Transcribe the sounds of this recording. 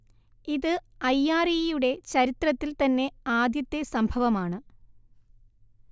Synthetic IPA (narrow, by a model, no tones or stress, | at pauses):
iðɨɐjːaːrijuɽe̞t͡ɕɐɾit̪rɐt̪ːilt̪ɐnːe̞aːd̪jɐt̪ːesɐmbʱɐʋɐmaːɳɨ